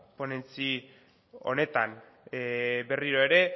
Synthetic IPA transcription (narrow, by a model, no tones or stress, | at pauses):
po̞ne̞nt͡si | o̞̰ne̞t̪an | be̞riɾoe̞ɾe̞